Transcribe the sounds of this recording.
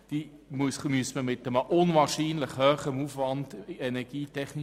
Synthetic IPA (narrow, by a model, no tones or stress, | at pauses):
d̥iː | musmyəsməmɪt̪əməʔʊnvɑːʁʃiːnləχhœːχəmuːfʋɑnd̥ɛnɛɡ̥iːtʰɛχni